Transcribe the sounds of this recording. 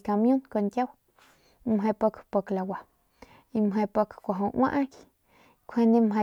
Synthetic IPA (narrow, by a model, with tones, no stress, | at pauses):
ka˧mjũ˦nko˧˨ŋkʲja˦w | mɦe˧po˧kpo˧kla˨wa˨ | i˧mɦe˧po˧kkʷa˨ɦo˧wʔã̰˦ʔa˦k | kʷʰe˧nd̪ĩ˦mɦe˧